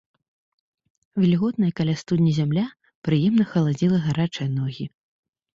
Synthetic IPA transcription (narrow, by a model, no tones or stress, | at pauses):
vʲɛlʲiɣɔt̪nɐjɐkalʲast̪ud̪ʲnʲɐzʲamlʲa | pɾɨjɛmnɐxɐlˠad͡zʲilˠɐɣaɾat͡ʂɨjɐnɔɣʲi